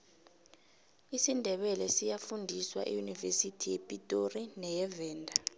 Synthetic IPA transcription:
isindʱɛɓɛlɛsijafundʱiswa̰ʔijunivesitʰijɛpʼitʼorinɛjɛvɛːndʱa

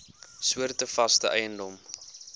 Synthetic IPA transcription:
suərtəfɐstəʔɛjəndɔm

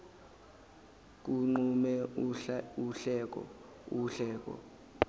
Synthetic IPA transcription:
k̬uŋ͡ǃumɛ | uɬɛk̬ɔ̰ | uɬɛːk̬ɔ̰

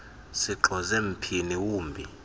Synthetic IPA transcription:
siǁʱɔzem̩pʰiniwuːmbʱi

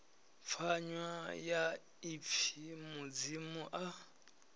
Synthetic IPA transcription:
p̪fʰaɲwaja | ip̪fʰimud͡zimuʔa

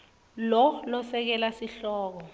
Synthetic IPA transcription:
lɔlɔsɛk̬ɛlasiɬɔːk̬ɔ

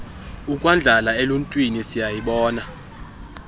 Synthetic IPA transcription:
ukʼwand͡ɮʱalaeluntʼwinisijajiɓɔːna

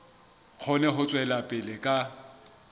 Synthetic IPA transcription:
q͡χʰɔnɛɦʊt͡sʼwɛlapʼɪlɪkʼa

